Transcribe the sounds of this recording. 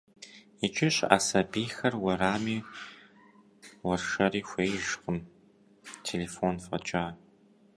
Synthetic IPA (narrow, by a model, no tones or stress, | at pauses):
it͡ʃʼɪɕʼa̰ːsɐbiːxɐrwɐɾaːmiː | wɐrʂɐɾiːxʷeːjʒqʷʼʊm | tʰeleːfonfʼɐ̰t͡ʃʼaː